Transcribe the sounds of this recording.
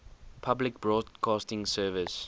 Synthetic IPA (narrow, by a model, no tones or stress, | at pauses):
pʰablɪk̚b̥ɹɔːdkʰɑːstɪ̃ŋsɜːvɪs